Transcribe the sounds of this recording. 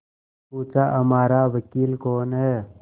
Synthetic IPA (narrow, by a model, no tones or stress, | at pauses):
puːt͡ʃaʔɐmaːɾaʋəkiːlkoːnɦɛː